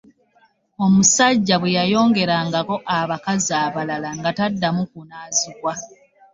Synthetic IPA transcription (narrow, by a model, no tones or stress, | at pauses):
omusaɟːaβwejajo̞ːŋɡe̞ɾaŋɡako̞ʔaβakaziaːβalalaŋɡatadːamukunaːzikwa